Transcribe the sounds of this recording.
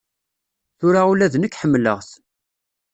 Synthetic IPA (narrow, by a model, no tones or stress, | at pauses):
θʊɾaulæðnəkːħəmːlə̰ʁθ